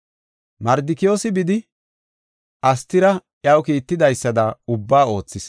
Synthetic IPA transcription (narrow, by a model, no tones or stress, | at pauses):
mɐɾd̪ɪkɪjo̞ːsɪbɪd̪ɪ | ʔɐst̪ːɪɾɐʔjɐwkiːt̪ːɪd̪ɐjsːɐd̪ɐʊbːaːo̞ːt͡sːɪs